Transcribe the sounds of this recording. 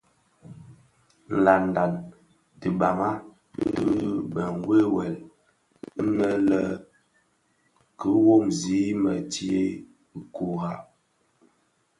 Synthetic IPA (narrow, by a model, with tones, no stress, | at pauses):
n̩˨la˨n˨da˨n | ti˨ba˨ŋa˦ | dɨ˦bə˨ŋ˨˦ɡwe˦wɛ˨l | nə˦lə˦ | kə˨˦wo˦˨mzi˨˦mə˨ti˦e˦˨ | ko˨ha˦